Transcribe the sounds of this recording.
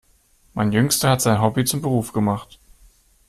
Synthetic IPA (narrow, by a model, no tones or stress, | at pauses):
mʔaɪnjʏŋstɐhatz̥aɪnɦɔbit͡sʊmbəʁuːfɡ̥əmaχt